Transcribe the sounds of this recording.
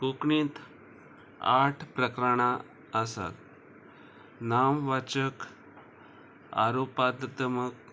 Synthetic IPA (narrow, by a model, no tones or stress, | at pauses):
kukɳiːt̪ | aʈʰpɾəkɾaɽ̃a | əsa̰l | namʋat͡ɕək | a̰ɾopad̪d̪əmək̚